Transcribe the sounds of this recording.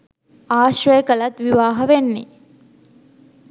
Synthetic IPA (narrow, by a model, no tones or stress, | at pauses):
aːʃʋəjəkəlat̪ʋiʋaːɦɐʋenːe